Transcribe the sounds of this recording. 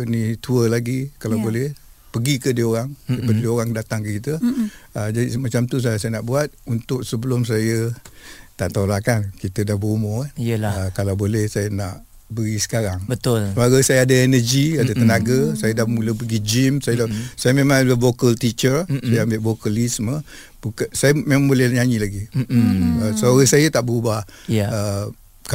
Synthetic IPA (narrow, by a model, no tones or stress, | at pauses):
ənit̪uəlaɡikalawbolɛh | pəɡikədiəoɾaŋdəpadədioɣaŋdat̪aŋkəkit̪əəd͡ʒadismat͡ʃamt̪us̬asajənaʔbuat̪̚unt̪ʊk̚səbəlʊms̬ajə | t̪aʔt̪olaʔkankit̪ədahbəumʊhkanijəlaəkalawbolɛhsajənaʔ | bəɾisə̥kaɾaŋbət̪ʊlsəmaɡasajaadəenərd͡ʒiadət̪ənaɡəsajədahmuləpəɡid͡ʒimsajədasajəmemãŋdəvokəlt̪it͡ʃərsajəambɪʔvokəlismə | buksajəmemãŋbolɛɲaɲilaɡi | əsəoɾasajət̪aʔbəɾubahə | ka